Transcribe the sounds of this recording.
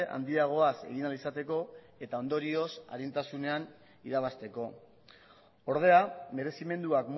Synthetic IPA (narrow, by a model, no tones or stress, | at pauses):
ʔa̰nd̪iaɣ̞o̞ase̞̰ɣ̞inalisat̪e̞ko̞ | e̞t̪ao̞nd̪o̞ɾio̞sa̰ɾint̪asune̞an | iɾaβast̪e̞ko̞ | o̞ɾð̞e̞ame̞ɾe̞sime̞nd̪uakm